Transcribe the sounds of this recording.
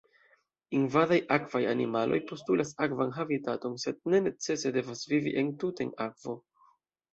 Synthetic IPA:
invadajʔakv̥aja̰nimalʔo̞̰jpo̞stulʔasakvanɦavitato̞nse̞d̚ne̞ne̞t͡se̞se̞de̞vasvivḭʔe̞ntutenakv̥o̞

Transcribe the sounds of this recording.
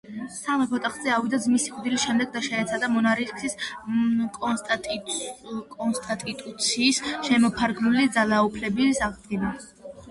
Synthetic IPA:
samɛpʰɔt̪ʼaχzɛavid̪azmisiχʼd̪ilisʃɛmd̪ɛɡ̚d̪aʃɛːt̪sʰad̪amɔnaɾiskʰsis | kʼɔst̪ʼ | kʼɔnst̪ʼat̪ʼit̪ʼut̪sʰiːsʃɛmɔpʰaɾɡnulid̪zalaupʰlɛbisaʁd̪ɡina

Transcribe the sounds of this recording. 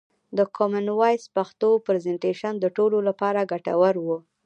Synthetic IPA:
d̪əkʰomanwajspaxt̪opɾezeɳʈeʃand̪əʈololapɑɾaɡaʈa̰wəɾwu

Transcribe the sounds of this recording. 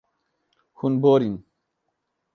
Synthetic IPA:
hunboɾin

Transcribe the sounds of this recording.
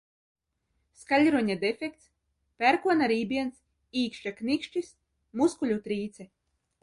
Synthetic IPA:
skalʲɾuɲad̪efʲek̚t̪s | pʲæɾkuɔnaɾiːbʲiɛns | iːkʃt͡ʃaknikʃt͡ʃis | muskulʲut̪ɾiːt̪sɛ

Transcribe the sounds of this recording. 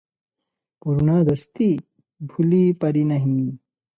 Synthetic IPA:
puɾunaːd̪ɐst̪i | bʱulipɐɾinɐɦii

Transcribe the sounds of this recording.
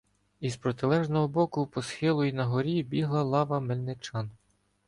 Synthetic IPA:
izpɾɔt̪ɪlˠɛʒnɔɦɔbɔkʊwpɔsxɪlˠʊinɐɦɔɾʲibʲiɦlˠɐlˠɑʋɐmelʲnɪt͡ʃɑn

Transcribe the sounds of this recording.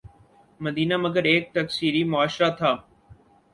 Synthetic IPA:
mɐd̪iːnamɐɡəɾeːk̚t̪ɐksiːɾimʊaːʃɾat̪ʰaː

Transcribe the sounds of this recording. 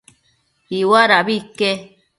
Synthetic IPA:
iwaɾaβike

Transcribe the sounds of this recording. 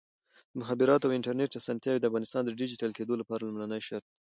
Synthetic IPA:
d̪̥əmʊɦabɪɾɑt̪awɪɳʈaɾneʈj̪asant̪jɑwid̪əafɣɑnɪst̪ɑnd̪əɖid͡ʒiʈalked̪olapɑɾalʊmlanəjʃaɾt̪̚

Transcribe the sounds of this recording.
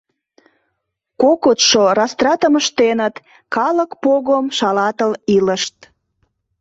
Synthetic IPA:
kokot̪ʃorɑst̪rɑt̪əməʃt̪enət̪ | kɑləkpoɣomʃɑlɑt̪əliləʃt̪

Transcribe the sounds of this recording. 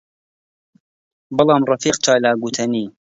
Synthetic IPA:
bɨlˠɑːmrˤɑfiːqt͡ʃaːlaːɡut̪ʰɐniː

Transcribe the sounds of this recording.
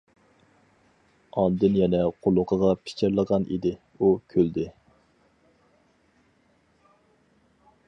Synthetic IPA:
ɑnd̪ɨnjɛnɛqʰolˠʊqʰəʁɑpʰi̥t͡ʃʰeɾlˠəʁɑnʔḭd̪ɪ | ukʲʰøld̪ɪ

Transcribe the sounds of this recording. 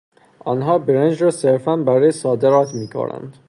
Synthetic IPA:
ʔɒnɦɒːbeɾænd͡ʒɾɒːseɾfænbæɾɒːjesɒːd̪eɾɒːt̪ʰmiːkʰo̰nʔæ̰nd̪

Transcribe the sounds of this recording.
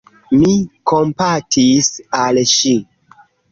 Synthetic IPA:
mikompatʰisalʃi

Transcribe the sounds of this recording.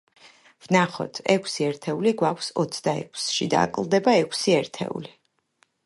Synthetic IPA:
v̥naχɔ̰t̪ʰɛkʷʰsiɛɾt̪ʰɛuliɡwakʷʰsɔt̪sʰd̪aɛ̰kʰsʃid̪a̰kʼlˠd̪ɛbaɛkʰsiɛɾt̪ʰɛ̰ṵli

